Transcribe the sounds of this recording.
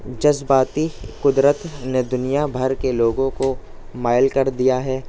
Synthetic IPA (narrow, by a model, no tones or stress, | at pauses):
d͡ʒɐzbaːt̪ikʊd̪ɾət̪ned̪ʊnijabʱɐɾkeloːɡõko | maːɪlkɐɾd̪ijaɦɛː